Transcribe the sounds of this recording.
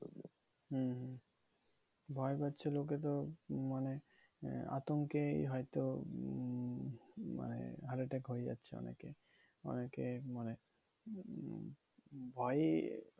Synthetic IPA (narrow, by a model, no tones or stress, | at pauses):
ɦɦ | bʱɔjbatːɕʰelok̬et̪omane | a̰t̪oŋkeɦɔjt̪o | ma̰nḛɦaɾiʈekɦojed͡ʑa̰tːɕʰeɔ̰nḛke | ɔ̰nekemane | bʱɔj